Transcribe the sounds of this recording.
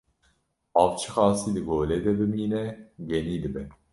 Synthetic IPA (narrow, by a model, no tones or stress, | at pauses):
ɑːʋt͡ʃʰɨ̥xɑːsiːd̪ɨɡoːlɛd̪ɛbɨmiːnɛɡɛniːd̪ɨbɛn